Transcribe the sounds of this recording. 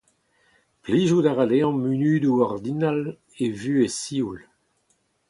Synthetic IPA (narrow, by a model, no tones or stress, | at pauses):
pliʒud̪aʁaleɑ̃mynyːd̪uɔʁd̪inal | evyːesiːul